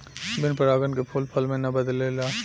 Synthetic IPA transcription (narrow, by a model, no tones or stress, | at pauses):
bɪnpəɾaːɡənkepʰoːlpʰɐlmẽnɐbɐd̪leːlaː